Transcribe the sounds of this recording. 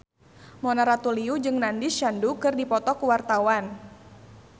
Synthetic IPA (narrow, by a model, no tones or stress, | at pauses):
mɔnaɾat̪uliud͡ʒɨŋnandisʃandukɨrdipɔt̪ɔkuwart̪awan